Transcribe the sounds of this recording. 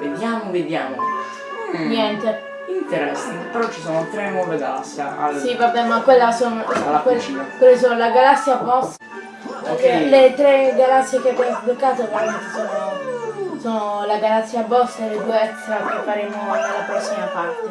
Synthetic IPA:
ved̪jaːmoved̪jaːmo̰ | njɛnt̪e | int̪eɾɛsːapeɾɔt͡ʃːisoːnot̪ɾenːwɔveɡala̰sːja̰asivabɛmakːwelːasonoakwelkwelːes̬oːnolaɡalasːjapɔs | pekelet̪ɾeɡalasːjekeab̪jɛmozblokːaːt̪ekant̪isoːno | soːnolaɡalat̪sːiabɔst̪aled̪ueɛkst̪ɾakefːaɾeːmoalːapɾɔsːimapart̪e

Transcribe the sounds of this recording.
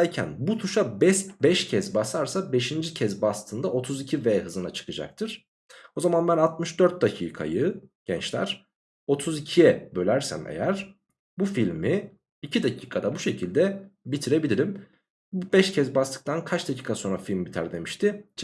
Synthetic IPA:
ɾcʰæ̰nbut̪ʰuʃabɛsbɛʃcʰɛzbasaɾsabe̞ʃind͡ʒicʰɛzbast̪ʰɯnd̪ao̞t̪ʰuzicʰivɛːɦɯzɯnat͡ʃʰɯ̥kʰɯd͡ʒa̰k̚t̪ʰɯɾ̥ | o̞zamanbænat̪mɯʃd̪øɾt̪̚d̪acʰḭːkʰa̰jɯɟ̥ɛnt͡ʃlʲæ̰ɾ̥ | o̞t̪ʰuzicʰijɛbølʲæɾsæ̰mḛjæɾ̥ | bufilʲmi | icʰid̪acʰiːkʰad̪abuʃe̞cʰilʲd̪ɛbit̪ʰiɾe̞bilʲiɾim | bubɛʃcʰɛzbast̪ɯ̥k̚t̪ʰankʰat͡ʃd̪acʰiːkʰaso̞nɾafilʲmbit̪ʰæɾd̪e̞miʃt̪ʰɪt͡ʃ

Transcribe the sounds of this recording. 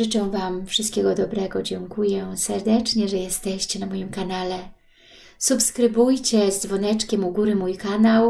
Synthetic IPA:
ɘt͡ʂɛ̃w̃vamfʂɨst̪kʲɛɡɔd̪ɔbɾɛɡɔd͡ʑɛŋkujɛsɛɾd̪ɛt͡ʂɲɛʐɛjɛst̪ɛɕt͡ɕɛnamɔjimkanalɛ | supskɾɘbujt͡ɕɛzd̪vɔnɛt͡ʂkʲɛmuɡuɾɘmujkanaw

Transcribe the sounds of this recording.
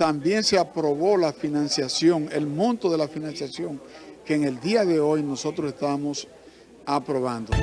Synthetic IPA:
t̪ambje̞nseapɾo̞βo̞lafinãnsjasjo̞ŋelmõnt̪oðe̞lafinãnsjasjo̞ŋke̞ːŋe̞ld̪iaðe̞ojno̞so̞t̪ɾosest̪amo̞s | apɾo̞β̞and̪o

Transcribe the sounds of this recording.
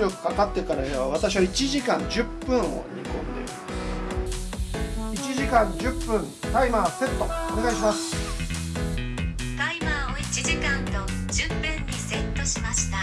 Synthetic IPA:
ɾʲo̞kɯ̟̥kakat̪ːe̞kaɾaeβaβ̞at̪aɕ̬iβait͡ɕiʑikãɲd͡ʑɨpːɯ̟̃ɰ̃o̞̰ɲ̟ḭkõ̰nd̪e̞̰i | it͡ɕiʑikãɲd͡ʑɨpːɯ̟̃n | t̪aimaːse̞t̪ːo̞one̞ɡaiɕimasɨ̥ | t̪aimaoit͡ɕiʑikãnd̪o | d͡ʑɨpːɯ̃ɲːiset̪ːoɕimaɕi̥t̪a

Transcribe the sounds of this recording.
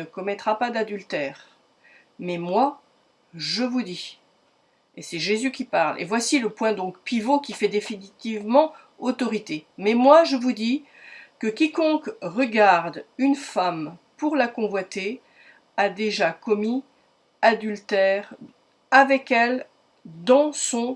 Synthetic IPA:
əkɔmɛt̪χapad̪ad̪ylt̪ɛːʁ | mɛmwa | ʒəvud̪i | esɛʒezykʲipaʁlḛvwasiləpwɛ̃d̪ɔ̃kpivokʲifɛd̪efinit̪ivmɑ̃ | ot̪ɔʁit̪emɛmwaʒəvud̪i | kəkʲikɔ̃kʁəɡaʁd̪ynfampuʁlakɔ̃vwat̪e | ad̪eʒakɔmi | ad̪ylt̪ɛʁ | avɛkɛl | d̪ɑ̃sɔ̃

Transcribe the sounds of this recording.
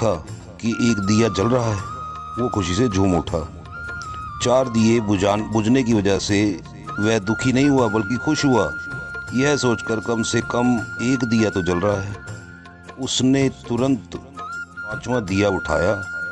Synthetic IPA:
a | kiʔeːkd̪ijat͡ʃɐlɾəɦaɦɛː | ʋokʊʃised͡ʒʱuːmʊʈʰa̰ː | t͡ʃaːɾd̪ijeaːnbʊd͡ʒnek̬iʋɐd͡ʒəɦse | ʋɛɦd̪ʊkʰinɐɦĩɦʊabɐlkixʊʃɦʊaːjɛɦsoːt͡ʃkəɾkɐmsekəmeːkd̪ijat̪ot͡ʃɐlɾɐɦaɦɛː | ʊsnet̪ʊɾə̃nt̪ | paːt͡ʃmãd̪ijaʊʈʰa̰ːjaː

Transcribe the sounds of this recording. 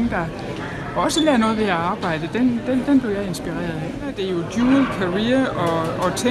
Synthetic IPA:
ŋd̥ɑ̈ | ɒ̽səlɛːɐnɔ̽ːðˠʋe̝æɑ̈ːb̥ɑ̈ɪ̰d̥əd̥end̥end̥enb̥le̝ʊjɑ̈ɪe̝nsb̥iʁɛ̰ːɐðˠ | d̥e̝ɐjo̝d̥juːlˠkʰɑʁiːɐɒ̽ɒ̽t͡sʰe

